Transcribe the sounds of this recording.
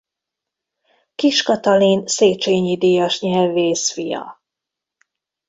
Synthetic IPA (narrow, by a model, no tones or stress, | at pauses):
kiʃkɒt̪ɒliːnseːt͡ʃeːɲid̪ijɒʃɲɛlveːsfijɒ̰